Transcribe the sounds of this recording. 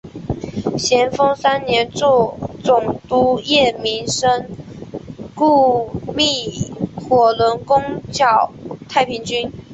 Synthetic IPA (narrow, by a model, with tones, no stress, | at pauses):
ɕjɛ˧˥nfɤ˥ŋsa˥nnjɛ˧˥nt͡sɔ˥˩t͡sʊ˨˩ŋt̪u˧˥jɛ˥˩mi˧˥nʂə˥ŋ | ku˥˧mi˥˩xwɔ˨˩lwə˧˥nkʊ˥ŋt͡ɕjɑ˨˩ʊt̪ʰa˥˩ɪpʰi˧˥ŋt͡ɕy˥n